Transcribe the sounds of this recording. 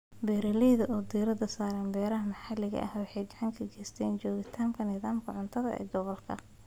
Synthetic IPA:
bɛːɾɐlɛðɐʔɔːd̪iːɾɐd̪ɐsaːɾɐːnbɛːɾɐɦɐmɐħɑlɪɣɐ̰ʔɐ̰hwɑħɑjɡɑʕɑŋkʰɐɡɛːst̪ʰɛːnt͡ʃɔːɣɪt̪ʰaːmkʰɐnɪðaːmkʰɐʕʊnt̪ʰɐðɐ̰ʔɛ̰ːɡɔβɔlkʰɐ̰

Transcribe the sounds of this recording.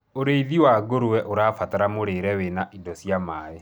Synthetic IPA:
oɾeiðiwaɡoɾuwɛʔoɾaːfataɾamoɾeɾɛwenaʔidɔsjamaːe

